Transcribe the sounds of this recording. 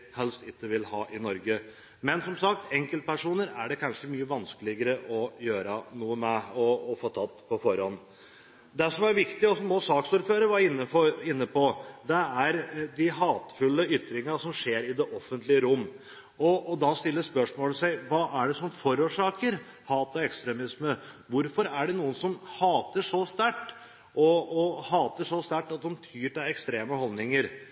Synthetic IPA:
hɛlst̪ɪkːəʋɪlhɑ̰ːʔɪnɔɾɡə | mɛnsɔmsɑk̚t̪ɛŋkəlt̪̚pæʂuːnəɾæɖɛkʰɑnʂəmyːəʋɑnskəlɪɡəɾəʔɔjøːɾənuːəmɛɔːfoːt̪ʰɑt̪ːpʰɔfɔɾhɔnː | d̪ɛʂɔmæɾʋɪkt̪ɪɔsɔmɔsɑːksuːɾføːɾəʋɑɾɪnːəfɔɾɪnːəpɔd̪ɛæɾd̪ɪɦɑːt̪fʉlːəʏt̪ɾɪŋəʂɔmʂeːɾɪd̪ɛʔɔfːənt̪lɪəɾʊmː | ɔːd̪ɑst̪ɪlːəspœʂmoːləsæɪʋɑːʔæɖɛsɔmfɔɾuːʂɑːkəɾ | hɑːt̪ɑɛkst̪ɾɛmɪsməʋʊɾfɔɾæɖɛnuːənsɔmhɑːt̪əʂɔst̪æʈː | ʔɔɔhɑːt̪əʂɔst̪æʈːɑt̪̚d̪ɔmt̪ʰyːʈɪɛkst̪ɾeːməhɔlnɪŋəɾ

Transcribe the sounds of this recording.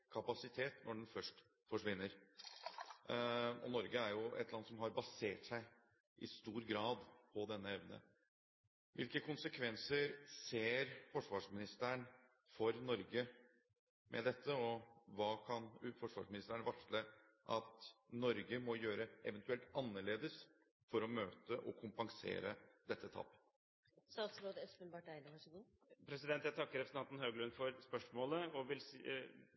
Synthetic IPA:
kʰɑpɑsɪt̪ʰeːt̪nʔɔɖɛnfœʂʈ | fɔʂʋɪnːəɾ | ɔ̰nɔɾɡəæɾjʊʔɛ̰t̪lɑnːsɔmɦɑɾbɑseːʈsæɪ | ʔɪ̰st̪uːɾɡɾɑːd̪pʰɔd̪ɛnːəɛʋnə̰ | ʋʔɪlkəkʰʊnsəkʰʋɛnsəɾseːɾfɔʂʋɑːʂmɪnɪst̪əɳ | fɔɾnɔɾɡə | mʔɛ̰d̪ɛt̪ʰːəɔʋɑːkʰɑnfɔʂʋɑ̰ːʂmɪnɪst̪əɳʋɑʂlə | ʔɑt̪nɔɾɡəmɔjøːɾəʔɛʋənt̪ʉɛlt̪ɑnːəɭeːd̪əs | fɔɾɔmøːt̪əʔɔkʰʊmpɑŋsḛːɾəd̪ɛt̪ːət̪ʰɑ̰ːpːə | st̪ɑːt̪sloːd̪əɛspənbɑʈæɪnəʋɑʂɡu | pʰɾɛsɪd̪ɛnt̪jæɪt̪ʰɑkːəɾɛpʰɾsənɑnt̪nhøːɡlʉnfɔɾspœʂmoːləɔʋɪls

